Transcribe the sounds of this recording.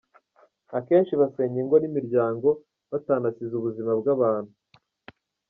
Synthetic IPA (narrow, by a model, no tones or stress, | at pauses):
ake̞ːnʃiβase̞ːɲiŋɡonimiɾɟaːŋɡo̞ | βataːnasizuβuzimabɡaβaːn̥hu